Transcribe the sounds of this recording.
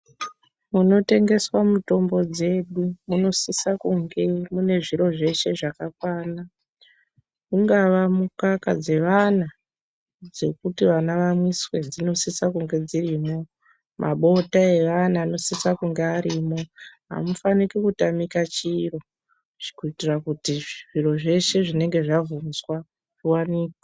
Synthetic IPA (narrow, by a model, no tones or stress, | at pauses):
muno̞te̞ŋɡe̞swamuto̞mbo̞d͡ze̞ɗumuno̞sisakuŋɡe̞mune̞ʐiɾo̞ʐe̞ʃe̞ʐakakwaːna | kuŋɡaʋamukaka̰d͡ze̞ʋana | d͡ze̞kutiʋanaʋamwiswe̞d͡zino̞sisakuŋɡe̞d͡ziriːmo̞ | mʔa̰ɓo̞tae̞ʋanaːno̞sisakuŋɡeaɾiːmo̞ɦa̰mufanikikutamikat͡ʃiro̞ | ʐ̥ikuitirakutiʐiro̞ʐe̞ʃe̞ʐine̞ŋɡe̞ʐavunzwa | ʐiwaniːkḁ